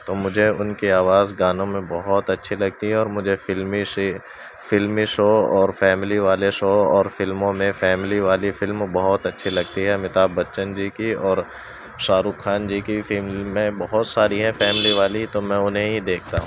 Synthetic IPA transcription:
t̪oːmʊd͡ʒʱeʊnkiaːʋaːzɡaːnõmẽbɔɦɔt̪ɐtːʃʰilɐɡ̚t̪iɦɛɔːɾmʊd͡ʒʱefɪlmiʃ | fɪlmiʃoːɔːɾfɛːmɪliʋaːleʃoːɔːɾfɪlmõmẽfɛːmɪliʋaːlifɪlmbɐɦɔt̪ɐtːʃʰilɐɡ̚t̪iɦɛmɪt̪aːbːɐtːʃənd͡ʒiːkiɔːɾ | ʃaːɾukxaːnd͡ʒiːkifɪlmliːẽbɐɦʊt̪saːɾiɦɛ̃fɛːmɪliʋaːlit̪omɛ̃ʊnɦẽɦid̪eːkʰt̪a̰ɦũ

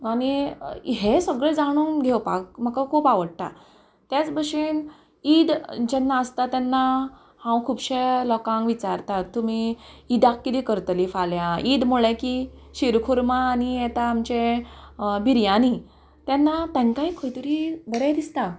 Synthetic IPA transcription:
añiɦesəɡɭed͡zaɽ̃uːnɡʱewpa̰k̚məkakʰupaʋəɽʈ̪a̰ | t̪jat͡sbəʂin | id̪d͡ʑɛnːaəst̪at̪janːa | hãwkʰubɕelɔkãŋɡʋit͡ɕaɾt̪at̪ːumiːd̪akːit̪ikəɾt̪lifaljaid̪muɭekiɕiɾkʰuɾmaːñijɛt̪aːmt͡ɕẽ | biɾjãni | t̪janːat̪ãŋkãĩkʰojt̪uɾiːbəɾad̪ist̪a

